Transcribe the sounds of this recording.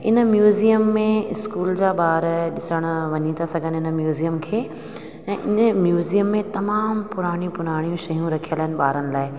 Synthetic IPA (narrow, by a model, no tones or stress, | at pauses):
ɪnə̆mjuːzijəmːẽɪskuːld͡ʑaːɓaːɾɗɪsəɽ̃ʊʋɐɲit̪ʰasɐɡʱənɪnmjuːzijəmkʰeː | ɛ̃ːʔɪnəmjuːzijəmːẽt̪ɐmaːmpʊɾaːɽ̃iũpʊɾaːɽ̃ijũʃɐɦjũɾɐkʰijəlaːɪnɪ̆ɓaːɾənɪ̆laːɪ